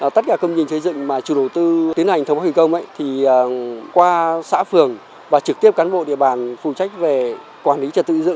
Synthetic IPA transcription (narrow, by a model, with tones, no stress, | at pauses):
t̪ə˦˥t̚kaː˧˩kə˧wŋ͡mɲɨ˧nŋsə˨˦jzɨ̰˧˨ŋmaː˨˩t͡ɕi˧˩ɗə˨˩wt̪ɨ˧t̪i˨˦ənha˨˩jŋ̟ʰə˧ŋ͡mfa˦wi˧˨˩kə˧wŋ͡mmʔə̰˧˥˨jt̪ʰi˨˩˨kwaː˧sa̰ː˧˥fɨ˨˩əŋ | vaː˨˩t͡ɕɨ˨˩k̚t̪i˦˥əp̚kaː˨˦nɓo̰˧˨ɗḭ˧əɓaː˧˨˩nfu˨˩t͡ɕa˦˥jk̟̚ve˨˩ | kwaː˧˩nli˨˦t͡ɕɔ˧˩t̪ɨ̰˧˨zɨ̰˧˨ŋ